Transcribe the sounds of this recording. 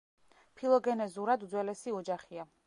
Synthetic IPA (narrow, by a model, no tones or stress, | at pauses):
pʰilˠɔɡɛnɛzuɾad̪ud̪zwɛlɛsiɔd͡ʒaχia